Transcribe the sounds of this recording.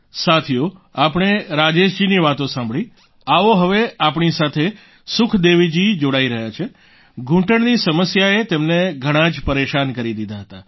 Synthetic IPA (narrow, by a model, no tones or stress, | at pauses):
sat̪ʰijoapɽ̃eɾad͡ʒeʃd͡ʒiniʋat̪õsãmbɭi | aʋoɦəʋeapɳ̃isat̪ʰe | sʊkʰd̪eʋid͡ʒid͡ʒoɽaiɾəɦjat͡ʃʰe | ɡʱũʈəɳnisəməsjaet̪emneɡʱəɽ̃ãd͡ʒpəɾeʃankəɾid̪id̪ʱaɦət̪a